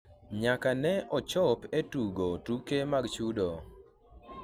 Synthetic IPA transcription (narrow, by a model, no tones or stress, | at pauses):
ɲakanɛʔɔt͡ʃɔpetuɡotukemaɡt͡ʃudo